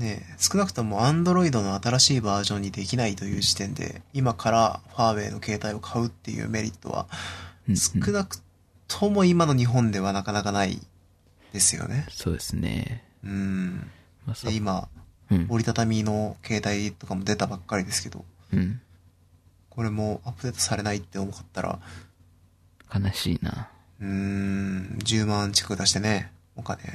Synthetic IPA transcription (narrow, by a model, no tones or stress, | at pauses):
ne̞sɨ̥kɯ̟nakɯ̟̥t̪o̞mo̞ãnd̪o̞ɾo̞id̪o̞no̞at̪aɾaɕiːbaːʑõ̞ɲ̟ːid̪e̞kʲinait̪o̞jɯ̟ːʑi̥t̪ẽ̞nd̪ḛimakʰaɾa̰ɸaːβe̞̰ːno̞ke̞ːt̪aio̞kʰaɯ̟t̪ːe̞jɯ̰ːme̞ɾʲḭt̪ːo̞̰βa̰ | sɨ̥kɯ̟nakɯ̟̥ | t̪ʰo̞mo̞imano̞ɲ̟iɦõ̞nd̪e̞β̞anakanakanaḭ | d̪̥e̞sɨjo̰ne̞so̰ːd̪esɨnḛ | ɯ̟̃ | md̪ima | o̞ɾʲit̪at̪amʲino̞kʰe̞ːt̪ait̪o̞kamo̞d̪e̞t̪abakːaɾʲid̪e̞sɨ̥ke̞d̪̥o̞̰ | ko̞ɾe̞mo̞apɯ̟d̪e̞t̪osaɾe̞nait̪ːe̞o̞mo̞kat̪ːaɾʔa̰ | kʰanaɕiːna̰ | ɯ̟̃ | d͡ʑɨːmãɲt͡ɕi̥kḁkɯ̟d̪aɕi̥t̪e̞ne̞ | o̞kane̞̰